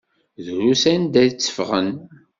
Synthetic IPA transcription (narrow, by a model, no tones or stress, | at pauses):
ðɾusænd̪æt͡sːə̥fʁə̰n